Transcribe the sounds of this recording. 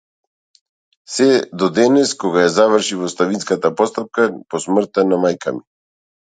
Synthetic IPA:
sɛd̪ɔd̪ɛnɛskɔɡajazavrʃivɔst̪avinskat̪apɔst̪ap̚kapɔsmr̩t̪anamajkʰami

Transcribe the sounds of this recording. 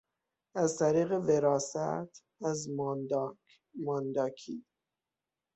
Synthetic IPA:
æzt̪ʰæɾiːɣe̞veɾɒːsæ̰t̪ʰ | æzmd̪ | mɑnd̪ɒkʰi

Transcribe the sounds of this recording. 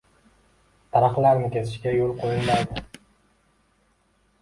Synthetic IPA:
t̪ʰaɾaχlaɾnɪkʲʰe̞zɪʃɡʲajolˠqʰojɪlaɾd̪ɪ

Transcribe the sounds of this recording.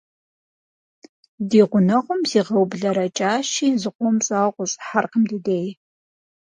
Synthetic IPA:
diːʁʷʊnɐʁʷʊmziːʁɐwbɮɐɾɐt͡ʃʼaːʃiːzɨqʷʼɔmt͡sʼaːqʷʼʊɕʼħarqəmdɨdeːj

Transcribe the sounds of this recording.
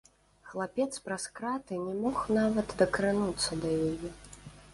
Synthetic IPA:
xlˠapʲɛt̪spɾaskɾat̪ɨnʲɛmɔxnavɐt̪d̪ɐkɾɨnut̪sːɐd̪ɐjajɛ

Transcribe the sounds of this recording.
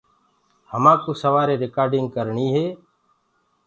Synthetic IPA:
həmãːkoːsəʋaːɾeːɾɪkaːɾɖɪŋɡ̚kəɾɳiːɦeː

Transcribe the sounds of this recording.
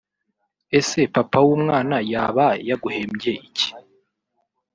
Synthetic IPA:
e̞se̞papawuːmŋaːnajaβajaɡuhe̞ːmɟeʔici̥

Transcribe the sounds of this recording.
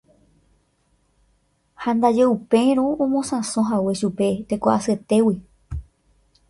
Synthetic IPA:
hãnd̪ad͡ʒeupẽ̞ɾ̃õõmõsãsõɦawe̞ʃupe̞t̪e̞kaʔaset̪e̞wi

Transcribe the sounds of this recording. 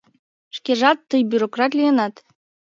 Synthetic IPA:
ʂkʲeʐɑt̪ːɯjbʲyɾokrɑt̪lʲijɤnɑt̪

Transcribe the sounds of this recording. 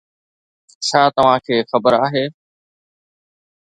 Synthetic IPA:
t͡ʃʰaːt̪əʋ̤ãːkʰeːxəbəɾaːɦeː

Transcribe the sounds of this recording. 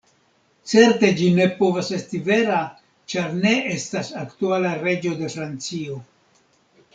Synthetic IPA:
t͡se̞ɾte̞d͡ʒine̞po̞vase̞stive̞ɾa | t͡ʃaɾne̞e̞stasaktualaɾe̞d͡ʒo̞de̞fɾant͡sio̞

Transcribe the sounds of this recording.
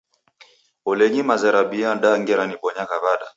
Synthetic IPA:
ɔlɛɲimazɛɾaɓianɗaŋɡɛɾaniɓɔɲakaβaɗa

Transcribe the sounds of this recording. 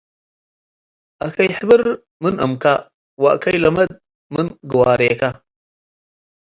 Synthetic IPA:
akaiħəbəɾ | mənʔə̰mka | wakajlamad̪̚ | mənɡuwaɾeka

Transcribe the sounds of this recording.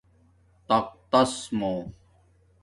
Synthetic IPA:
t̪ɐq̚t̪ɐsmoː

